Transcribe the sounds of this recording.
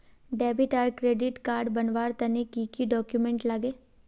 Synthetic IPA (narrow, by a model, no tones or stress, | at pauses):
ɖɛːbɪʈaːɾkɾeːɖɪʈkaːɾɖbɐnʋaːɾt̪ɐnikiːkiɖɔːkjumẽɳʈlaɡeː